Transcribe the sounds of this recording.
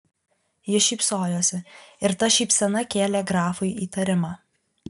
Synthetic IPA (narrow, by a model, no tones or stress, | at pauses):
jɪʃʲiːˑpsoːjoːsʲɪɪɾt̪ɐʃʲiːpʲsʲɛnɐkʲeːlʲɛɡɾɑːfʊɪiːt̪ɐɾʲɪmɑː